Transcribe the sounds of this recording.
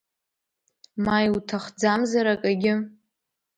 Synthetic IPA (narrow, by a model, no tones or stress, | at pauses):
majwtʰaχd͡zamzaɾakʼaɡʲɪ